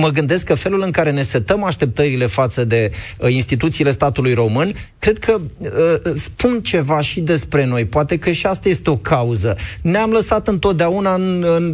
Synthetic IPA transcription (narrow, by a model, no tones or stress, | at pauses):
məɡɨnd̪eskːəfe̞lulɨŋkaɾe̞ne̞set̪əmaʃt̪e̞p̚t̪əɾile̞fat̪səd̪e̞inst̪it̪ut̪siːle̞st̪at̪ulujɾo̞mɨnkɾe̞d̪̚kʰəəspunt͡ʃe̞vaʃid̪e̞spɾe̞no̞jpoat̪e̞kəʃiast̪aje̞st̪eo̞kʰauzəneamləsat̪ɨnt̪o̞t̪̚d̪eaunaɨnɨn